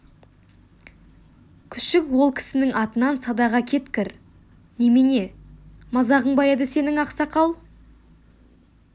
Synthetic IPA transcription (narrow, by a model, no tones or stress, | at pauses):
kʲʰʏ̥ʃɪkwo̞lˠkʲʰɪ̥sɪnɪŋʔɑt̪ənɑnsɑd̪ɑʁɑkʲʰe̞t̪kʲɪɾ | nemene̞mɑzɑʁəɴbɑjɑd̪əse̞nɪŋɑqsɑqʰɑlˠ